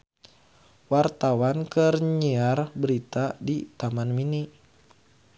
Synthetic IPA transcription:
wart̪awankɨrɲiarbəɾit̪adit̪amanmini

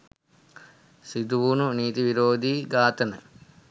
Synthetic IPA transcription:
sid̪uʋununiːt̪iʋiɾoːd̪iɡaːt̪ɐnɐ̰

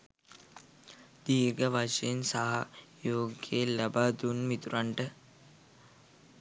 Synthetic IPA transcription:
d̪̥iːɡəʋaʂeensaɦajoːɡjelabaːd̪unmit̪uɾaɳʈə

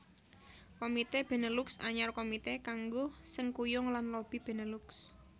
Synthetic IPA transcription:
komit̪eb̥e̤nəlʊksa̰ɲɔrkomit̪ekaŋɡosəŋkujʊŋlanlob̥i̤b̥e̤nəluks

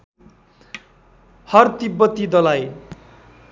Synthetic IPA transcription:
hʌrt̪ibːʌt̪id̪ʌlaj

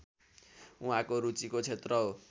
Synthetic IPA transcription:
uɦãkoɾut͡sikot͡sʰet̪rʌɦo

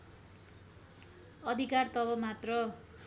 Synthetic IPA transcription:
ʌd̪ʱikart̪ʌbʌmat̪rʌ

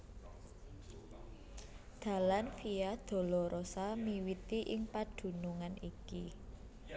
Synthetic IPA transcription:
d̪̥ä̤lanfijad̪̥o̤lɔɾʔosamiwit̪iʔɪŋpad̪̥ṳnuŋaniki

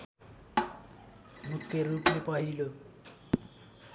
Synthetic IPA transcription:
mʊkʼeɾupepʼwaiːlo

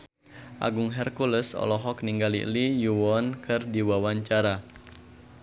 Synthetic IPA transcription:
ʔa̰ɡuŋɦɛrkuləsɔ̰lɔɦɔkniŋɡalḭʔlijuwɔnkɨrdiwawaɲt͡ʃaɾa

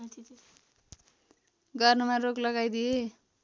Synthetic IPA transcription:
ɡʌrnʌmaroklʌɡajd̪ije

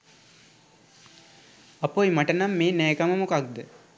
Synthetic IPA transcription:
ɐpojmɐʈənamːeːnɛːkaməmokak̚d̪ə

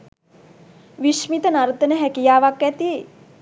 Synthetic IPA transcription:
ʋiʃmit̪ənaɾt̪ənəɦɛkijaːʋakʋɛt̪i

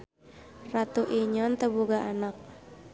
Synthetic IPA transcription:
rat̪uʔiɲɔnt̪əbuɡaʔanak̚

